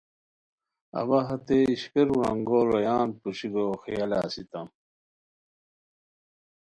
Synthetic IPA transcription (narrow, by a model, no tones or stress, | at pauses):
ɐ̰bɐɦɐt̪eiɕkeɾɾɐŋɡoːlojaːnpuɕiɡoːxijɐla̰ːsit̪ɐm